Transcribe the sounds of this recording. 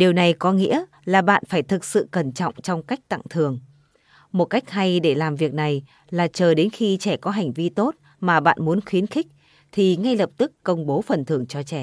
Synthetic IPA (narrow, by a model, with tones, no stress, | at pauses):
ɗi˨˩əwna˨˩jkɔ˨˦ŋḭ˧˥ə | laː˨˩ɓa̰ː˧˨nfaː˧˩jt̪ʰɨ˨˩k̚sɨ̰˧˨kə˧˩nt͡ɕɔ̰˧˨wŋ͡mt͡ɕɔ˧wŋ͡mka˦˥jk̚t̪a̰˧˨ŋt̪ʰɨ˨˩əŋ | mo˨˩t̚ka˦˥k̟̚ɦa˧jɗe˧˩laː˨˩mvi˨˩ək̚na˨˩j | laː˨˩t͡ɕəː˨˩ɗe˨˦nxi˧t͡ɕɛ˧˩kɔ˨˦ɦa˨˩jŋ̟vi˧t̪o˦˥t̚ | maː˨˩ɓa̰ː˧˨nmu˨˦ənxwi˨˦ənxi˦˥k̚ | t̪ʰi˨˩ŋa˧jlə˨˩p̚t̪ɨ˦˥kːə˧wŋ͡mɓo˨˦fə˨˩nt̪ʰɨ˨˩əŋt͡ɕɔ˧t͡ɕɛ˧˩